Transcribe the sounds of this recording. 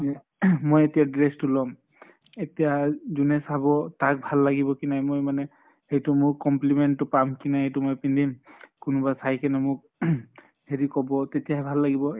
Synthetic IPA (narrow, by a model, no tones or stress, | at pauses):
ɛ | mojetijadɹestulɔm | etijazunɛsabɔtak̚bʱalːaɡibɔkinajmojmanɛ | hejtʊmʊkːɔmplimɛntːʊpamkinajɦejtumojpindimkʊnʊbasajkɛnɛmʊk̚ | heɹikɔbɔtetijaɦɛbʱalːaɡibɔ